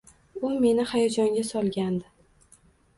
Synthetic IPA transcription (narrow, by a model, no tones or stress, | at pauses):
ʊme̞nɪhajɒd͡ʒɒŋɡʲasɒlˠɡʲand̪ɪ